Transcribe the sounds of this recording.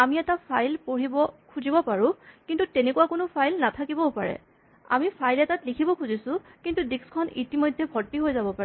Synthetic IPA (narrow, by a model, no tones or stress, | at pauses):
amiɛtapʰajlpoɹibɔkʰuzibɔpaɹʊkintutenekuwakʊnʊpʰajlnatʰakibɔpa̰ɹɛ̰ | a̰mipʰajlɛtatlikʰibɔkʰuzisʊ̃kintudikskʰɔnitimojdʱːɛbʱɔtpiɦojzabɔpaɹɛ